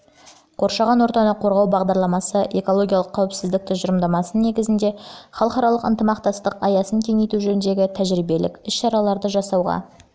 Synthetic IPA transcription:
qʰo̞ɾʃɑʁɑnwo̞ɾt̪ɑnəqʰo̞ɾʁɑwbɑʁd̪ɑɾlˠɑmɑsəʔe̞ko̞lˠo̞ɡʲijɑlˠəqʰːɑwɪpsɪzd̪ɪk̚t̪ɪʒəɾəmd̪ɑmɑsənne̞ɡʲɪzɪnd̪e̞χɑlˠəqɑɾɑlˠəqə̰nt̪əmɑqt̪ɑst̪əqɑjɑsəŋkʲʰe̞ŋejt̪uʒɵɾɪnd̪e̞ɡʲɪt̪ʰæʒɾijbe̞lɪ̰kʲʏsʃɑɾɑlˠɑɾd̪əʒɑsɑwʁɑ̰

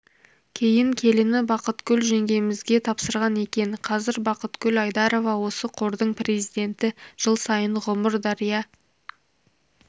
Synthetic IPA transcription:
kʲʰe̞jɪŋkʲʰe̞lɪnɪbɑqət̪kʲʰɵlʒe̞ŋɡʲe̞jɪmɪzɡʲe̞t̪ʰɑpsəɾʁɑne̞kʲe̞nqʰɑzɪɾbɑqət̪kʲʰɵlɑjd̪ɑɾo̞vɑwo̞səqʰo̞ɾd̪əɴpre̞zijd̪e̞nt̪ɪʒ̥əlˠsɑjənʁʊməɾd̪ɑɾijɑ

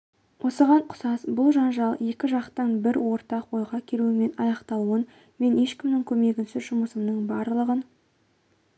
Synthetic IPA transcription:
wʔo̞səʁɑɴqʰʊ̥sɑsbʊlˠʒɑnʒɑlˠje̞kʲɪʒɑqt̪ɑnbɪɾwo̞ɾt̪ɑqwo̞jʁɑkʲʰeluɪme̞nɑjɑqt̪ɑlˠuən | me̞ne̞ʃkʲɪmnɪŋkʲʰɵme̞ɡʲɪnsɪzʒʊməsəmnəɴbɑɾllˠəʁən

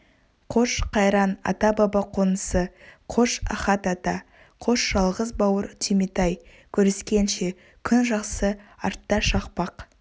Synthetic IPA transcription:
qʰo̞ʃqʰɑjɾɑnɑ̰t̪ɑbɑbɑqʰonəsəqʰoʃɑ̰χɑt̪ɑt̪ɑ | qʰo̞ʃʒ̥ɑlˠʁəzbɑwəɾt̪ʲʰimit̪ɑj | kʲʰɵɾeskʲe̞nʃe̞ | kʲʰʏnʒɑqsəɑ̰ɾt̪ːɑʃɑqpɑq

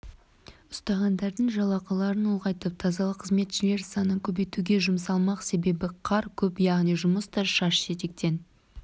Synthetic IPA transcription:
ʊst̪ɑʁɑnd̪ɑɾd̪əɴʒɑlˠɑqɑlˠɑɾəno̞lˠʁɑjt̪əp̚t̪ʰɑzɑlˠəqʰəzme̞t̪ʃɪle̞ɾsɑnəkʲʰɵbe̞jt̪uɡʲe̞ʒʊmsɑlˠmɑqse̞be̞bɪqʰɑɾkʲʰɵpjɑʁnijʒʊməst̪ɑʃɑʃʒe̞t̪e̞k̚t̪e̞n

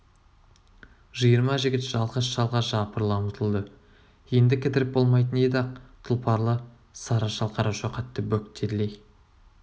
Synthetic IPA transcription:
ʒəjəɾmɑʒɪɡʲɪt̪ʒ̥ɑlˠʁəsʃɑlˠʁɑʒ̥ɑpəɾlˠɑmət̪ʰəlˠd̪ə | je̞nd̪ɪkʲʰɪt̪ɪɾɪp̚bo̞lˠmɑjt̪ənejd̪ɑq̚t̪ʰʊlˠpʰɑɾlˠə | sɑɾɑʃɑlˠqʰɑɾɑwʃɑqʰɑt̪ːəbɵk̚t̪ʰːeɾlej

